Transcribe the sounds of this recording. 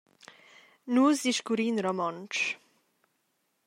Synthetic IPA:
nuzd̪iʃkuɾinɾɔmɔnt͡ʃ

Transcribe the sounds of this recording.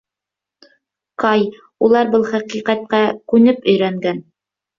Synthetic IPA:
qɑj | ulˠɑɾbɤlˠχæqiqæt̪̚qækʉnɘpɵ̆jɾæŋɡæn

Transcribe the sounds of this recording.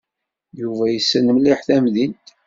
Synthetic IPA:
juvæjəsːnəmliħθæmðint̪

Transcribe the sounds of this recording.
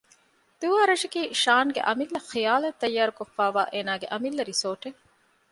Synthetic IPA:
d̪̥uːaːɾɐʃɐkiːʃaːŋɡḛʔɐmilːɐxijaːlɐt̪ːɐjːaːɾukofːaːʋaːʔeːnaːɡeʔɐmilːɐɾisoːʈe

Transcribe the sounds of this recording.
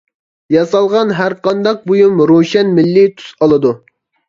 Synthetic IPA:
jɑsɑlˠʁɑnɦæɾqɑnd̪ɑq̚bojumɾoʃɛnmɪlːɪt̪ʰy̥sɑlˠɨd̪u

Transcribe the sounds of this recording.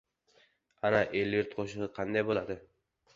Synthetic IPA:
anaʔelːɪɾt̪̚qʰoʃɪʁɨqʰɑnd̪ajbolˠad̪ɪ

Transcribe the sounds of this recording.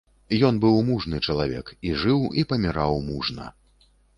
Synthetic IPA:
jɔnbɨwmuʐnɨt͡ʂɐlˠavʲɛ̰kiʐɨwipɐmʲiɾawmuʐnɐ̰

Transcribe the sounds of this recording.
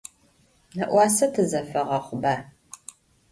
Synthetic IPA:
nɐʔʷɑːsɐtʰɨzɐfɐʁɐχʷʊbaː

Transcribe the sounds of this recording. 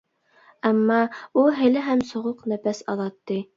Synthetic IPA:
æmːɑulˠɦɘ̆lɘɦæmsŏʁoqnæfæsɑðɑt̪ːi

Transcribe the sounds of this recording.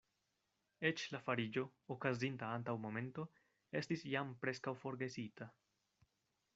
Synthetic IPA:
e̞t͡ʃlafaɾid͡ʒo̞okazintaantawmo̞me̞nto̞ | e̞stisjampɾe̞skawfo̞ɾɡe̞sita

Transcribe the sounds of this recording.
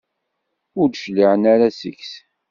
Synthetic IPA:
ʊɾʃliʕənaɾasə̰ks

